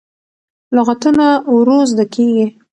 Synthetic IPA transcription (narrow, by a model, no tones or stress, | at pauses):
lʊɣat̪ənawɾozd̪akʰeɡi